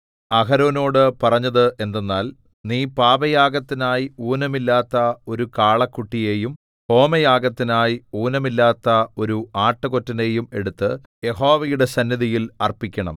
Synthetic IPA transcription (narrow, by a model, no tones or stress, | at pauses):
ɐɦɐɾoːno̞ːɽɨpɐrɐɲːɐðɨʔe̞nd̪enːaːl | niːpaːbɐjaːɡɐt̪ːinaːjiuːnɐmilːaːt̪ːɐo̞ɾukaːɭɐkːuʈːije̞ːjum | ho̞ːmɐjaːɡɐt̪ːinaːjiuːnɐmilːaːt̪ːɐo̞ɾuaːʈːɨko̞tːɐne̞ːjume̞ɽut̪ːɨ | je̞ɦo̞ːʋɐjuɽe̞sɐnjɐðijilɐrpikʲːɐɳɐ̰m